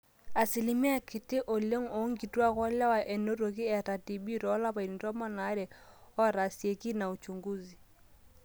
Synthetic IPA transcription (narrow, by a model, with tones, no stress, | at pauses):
a˨si˨li˨˦mi˦a˦˨kɪ˨tɪ˦ʔo˨le˦ŋo˨˦ŋɡi˨twa˦ɣwɔ˦la˦wa˨ʔɛ˨no˦ɾo˨ki˦ɛ˨ta˨ti˨ɓi˦ɾɔ˨˦la˦pa˨i˨ni˨tɔ˦mɔ˦na˨˦ɾɛ˨ɔ˦ɾa˨sje˨ki˦na˨u˨t͡ʃu˨ŋɡu˦zi˨